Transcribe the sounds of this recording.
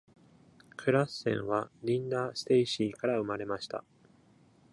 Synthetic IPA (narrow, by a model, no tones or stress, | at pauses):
kʰɯ̟ɾasːẽ̞̰ɰ̃βaɾʲĩnd̪aːsɨ̥t̪e̞iɕiːkaɾaɯ̟maɾe̞maɕi̥t̪a̰